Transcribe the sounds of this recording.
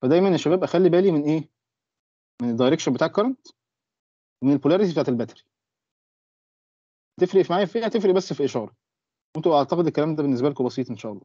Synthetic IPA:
fæd̪æjmæneʃːæbæːbʔæxælːibæːlimenʔeː | mened̪ːɑjɾekʃæbet̪aʔkːɑɾˤɑnt̪ | wemenelpolæɾet̪ibeaʕat̪elbæt̪æ̥ɾi̥ | t̪efɾeʔfimaʕaːjæfiːhæt̪efɾeʔbæsːfiʔeʃɑːɾˤɑ | went̪uʔaʕt̪ɑqed̪elkːælæːmd̪æbenːesbælekubɑsˤiːt̪ˤʔenʃæːʔɑlˤːɑː

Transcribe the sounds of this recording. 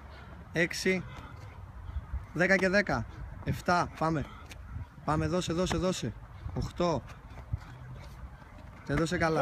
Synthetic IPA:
eksi | ðe̞kɐce̞ðe̞kɐe̞ft̪ɐpɐme | pɐmeðo̞seðo̞se̞ðo̞seoxt̪o̞ | t̪eðosekɐlɐ

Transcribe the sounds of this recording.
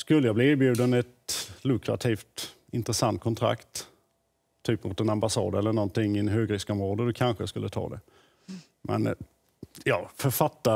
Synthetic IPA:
skɵlːəjɑɡbliːeːɾbjʉ̟ːd̪ənɛt̪lɵkɾat̪ʰiːft̪ | ɪnt̪ɾəsant̪̚kʰɔnt̪ʰɾa̰kt̪ʰ | yːpːmʊt̪ɛnambasɑ̰ːd̪ɛlːəɳɔnt̪ɪŋːɪnɦøːɡɾɪskɔmɾoːd̪əd̪ɔkʰanɧəjaskɵlːət̪ʰɑ̰ːd̪ɛ | mʔɛ̰n | jɑːfœɾfat̪ːa

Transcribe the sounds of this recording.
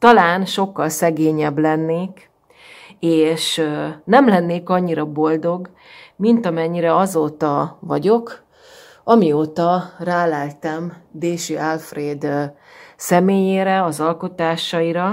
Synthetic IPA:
t̪ɒlaːnʃo̞kːɒlsɛɡeːɲɛblɛnːeːk | eːʃnɛmlɛnːeːkɒɲːiɾɒbo̞ld̪o̞ɡ | mint̪ɒmɛɲːiɾɛɒzoːt̪ɒvɒɟo̞k | ɒmioːt̪ɒraːlalt̪ɛmd̪eːʃyalfreːd̪ | sɛmeːjeːɾɛɒzɒlko̞t̪aːʃɒiɾɒ

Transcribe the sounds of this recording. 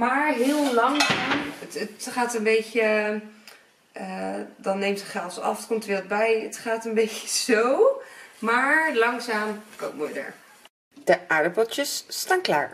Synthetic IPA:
maːɹɦɪːlˠlɑŋzaːmtətχaːtənbejcə | ədɑnːejmtəχɛlˠsɑ̰fətkomtʋɪːləbɛjətχaːtənbejcə̥z̥owmaːɹlɑŋzaːmkowpmojdə̰ɹ | d̥əʔaːɹdəpɔtəsːtaːnkla̰ːɹ

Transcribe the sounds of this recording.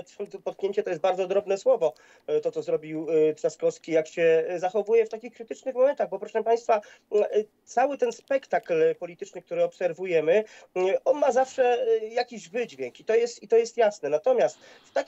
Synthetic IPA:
pɔt̪̚kɲʲeɲt͡ɕɛt̪ɔjɛt̪̚baɾd̪zɔd̪ɾɔbnɛswɔvɔ | t̪ɔt̪sɔzɾɔbʲiwpʂaskɔskʲijakɕɛzaxɔvujɛft̪akʲixkɾɘt̪ɘt͡ʂnɘxmɔmɛnt̪aɣbɔpɾɔʂɛmpaj̃st̪fa | t̪sawɘt̪ɛnspɛkt̪aklpɔlʲit̪ɘt͡ʂnɘk̚t̪uɾɘɔpsɛɾvujɛmɘɔnmazafʂɛjakʲiʑvɘd͡ʑvʲjeŋkit̪ɔjɛst̪it̪ɔjɛst̪jasnɛnat̪ɔmʲjast̪ | ft̪a

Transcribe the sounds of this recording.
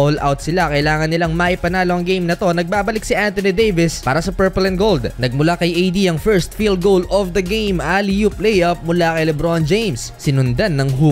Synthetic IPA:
olʔa̰wt̪̚sɪlakɐʔɪlaːŋɐnːɪlaŋmɐʔɪpɐnaːloʔɐŋɡejmnɐt̪o̞nɐɡ̚baːbɐlɪk̚sɪʔant̪onid̪ejvɪspaːɾɐsɐpɛɹpolɛn̚ɡold̪nɐɡ̚mʊlakɐjʔejd̪iʔɐŋfɛɹst̪̚fil̚ɡowlofd̪ɐɡejmʔalijuplejʔɐp̚mʊlakɐjlɛbɾoɐnd͡ʒejmsːɪnʊnd̪anːɐŋu

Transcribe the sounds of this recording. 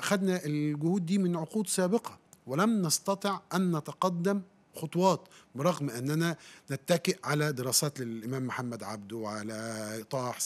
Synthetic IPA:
ʔxæd̪næʔɪlɡʊhuːd̪̚ːiːmɪnʕoquːd̪sæːbɪqɑwɪlæmnɑst̪ɑt̪ˤeʕʔænːæt̪ɑqɑd̪ːæm | xot̪ˤwɑːt̪bɪɾˤɑɣmʔɪnːænænɪt̪ːækɪʔʕalæd̪ɪɾˤɑːsæːt̪lɪlʔɪmæːmːħamːæd̪ʕa̰bd̪uwʕalæt̪ˤɑːħs

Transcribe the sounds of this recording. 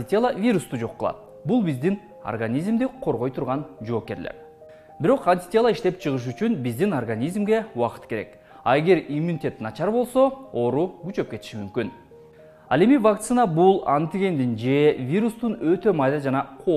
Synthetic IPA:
t̪ʲelˠavʲiɾust̪ud͡ʒo̞qːɯlˠɑ̰t̪̚ | bulˠbizd̪in | o̰rɡanʲizmd̪iqʰo̞ɾʁo̞jt̪ʰuɾʁɑnd͡ʒo̞ːpke̞ɾlḛɾ | biɾo̞qɐnʲt̪ʲi̥t̪ʲelˠɑiʃt̪e̞p̚t͡ʃʰɯʁɯʃ̬yt͡ʃynbizd̪inorɡanʲizmɡe̞uwɑqɯ̥t̪ke̞ɾe̞̰k | ɑeɡʲe̞ɾimunʲit̪ʲe̞t̪nɑt͡ʃɑɾbo̞lˠso̞o̞ːɾuɡyt͡ʃø̞p̚ke̞t̪i̥ʃimymkyn | ɑ̰le̞mivak̚t̪sɨnabulˠa̰nt̪iɡʲe̞nd̪ind͡ʒe̞vʲiɾust̪unø̞t̪ø̞mɑjd̪ɑd͡ʒɑnɑqʰo

